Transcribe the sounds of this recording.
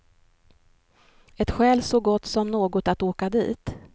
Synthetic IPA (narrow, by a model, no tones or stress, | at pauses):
ɛt̪ɧɛːlsɔɡɔt̪ːsɔmnoːɡʊt̪at̪oːkad̪ḭːt̪